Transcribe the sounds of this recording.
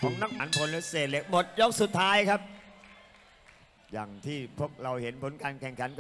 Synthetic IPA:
pʰo˨˩˦mna˦˥k̚haː˩˦npʰo˧nle˦˥seː˨˩t̪̚le˦˩k̚mo˨˩t̪̚jo˦˥k̚su˨˩t̪ʰːaː˦˥jkʰa˦˥p̚ | jaː˨˩ŋt̪ʰiː˥˩pʰu˥˩ək̚ɾa˧whe˩˦npʰo˨˦nkaː˧nkʰɛ˨˩ŋkʰa˩˦nk

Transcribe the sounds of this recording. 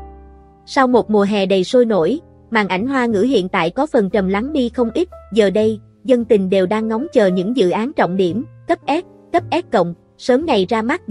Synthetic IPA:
sa˧wmo˨˩t̚mu˨˩əɦɛ˨˩ɗə˨˩jso˧jno̰˧˥˨j | maː˨˩ŋʔa˧˩jŋ̟ɦwaː˧ŋɨ̰˧˥ɦḭ˧˨ənt̪a̰ː˧˨jkɔ˨˦fə˨˩nt͡ɕə˨˩mla˨˦ŋɗi˧xə˧wŋ͡mʔi˦˥t̚zəː˨˩ɗə˧j | zə˧nt̪ï˨˩ŋ̟ɗe˨˩wɗaː˧ŋːɔ˨˦wŋ͡mt͡ɕəː˨˩ɲɨ̰˧˥ŋzɨ̰˧˨ʔaː˨˦nt͡ɕɔ̰˧˨wŋ͡mɗi˧˩əmkə˦˥p̚ʔɛ˦˥p̚ | kə˦˥p̚ʔɛ˦˥p̚kə̰˧˨wŋ͡m | səː˨˦mna˨˩jzaː˧ma˦˥t̚

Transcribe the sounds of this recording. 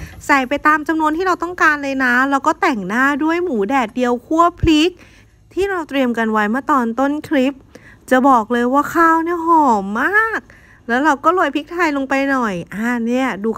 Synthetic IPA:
sa˨˩jpa˧jt̪aː˧mt͡ɕa˧mnu˧ənt̪ʰiː˥ɾa˧wt̪ɔ˥˩ŋkaː˧nlɤː˧jna˦˥lɛ˦˥wkɔː˥˩t̪ɛ˨˩ŋnaː˥˩du˥˩əjmuː˩˦dɛː˨˩t̪̚di˧əwkʰu˥˩əpʰli˦˥k̚ | t̪ʰiː˥˩ɾa˧wt̪ɾi˧əmka˧nwa˦˥jmaː˥˩t̪ɔː˧nt̪o˥˩nkʰli˦˥p̚t͡ɕa˨˩bɔː˨˩k̚lɤː˧jwaː˥˩kʰaː˥˩wni˥˩əɦɔː˨˩mːaː˥˩k̚ | lɛː˦˥wɾa˧wkɔː˥˩lu˧jpʰi˦˥k̚t̪ʰaː˧jlo˧ŋpa˧jnɔ˨˩jʔaː˧˩ni˥˩ɐduː˧

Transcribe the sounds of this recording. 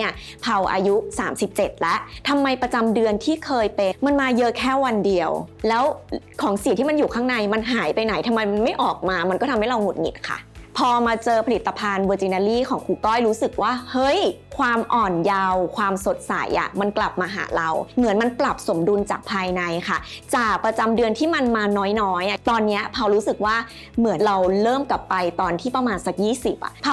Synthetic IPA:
ni˥˩ɐ | pʰa˨˩wʔa̰ː˧ju˦˥sa̰ː˩˦msi˨˩p̚t͡ɕe˨˩t̪̚lɛ˦˥ʔt̪ʰa˧mːa˧jpɾa˧t͡ɕa˧mdɯ˧ənt̪ʰiː˥˩kʰɤː˧jpe˧ma˧nmaː˧jɤ˦˥kʰɛː˥˩wa˧ndi˧əwlɛː˦˥wkʰɔː˨˩˦ŋsi˨˩˨t̪ʰiː˥˩ma˧njuː˨˩kʰaː˥˩ŋna˧jma˧nɦaː˩˦jpa˧jna˩˦jt̪ʰa˧mːa˧jma˧nma˥˩jʔɔː˨˩k̚maː˧ma˧nkɔː˥˩t̪ʰmha˥˩ɾa˧wŋo˨˩t̪̚ŋi˨˩t̪̚kʰa̰˥˩pʰɔː˧maː˧t͡ɕɤː˧pʰa˧li˨˩t̪ːa˧pʰaː˧nwəː˧t͡ɕi˧naː˧liː˥˩kʰɔː˩˦ŋkʰuː˧kɔː˥˩jɾuː˦˥sɯ˨˩k̚waː˥˩hɤ˦˥˩j | kʰwaː˧mʔɔː˨˩nja˧wkʰwaː˧mso˨˩t̪̚sa̰˨˩˦jʔa̰˨˩ma˧nkla˨˩p̚maː˧ɦa̰ː˩˦ɾa˧wmɯ˩˦ənma˧npla˨˩p̚so˩˦mdu˧nt͡ɕaː˨˩k̚pʰaː˧jna˧jkʰa˥˩t͡ɕaː˨˩k̚pɾa˧t͡ɕa˧mdɯ˧ənt̪ʰiː˥˩ma˧nmaː˧nɔː˦˥jnɔː˦˥ja˩t̪ɔː˧nːi˦˥ɐpʰa˧wɾuː˦˥sɯ˨˩k̚waː˥˩ | mɯ˨˩˦ənɾa˧wlɤː˥˩mkla˨˩pːa˧jt̪ɔː˧nt̪ʰiː˥˩pɾa˧maː˧nsa˨˩k̚jiː˥˩si˨˩p̚ʔa̰˨˩pʰa˧

